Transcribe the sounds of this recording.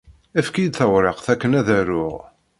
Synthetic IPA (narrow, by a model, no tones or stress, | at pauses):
æfkid̪θəwɾˤɑqθækːənæðæɾʊʁ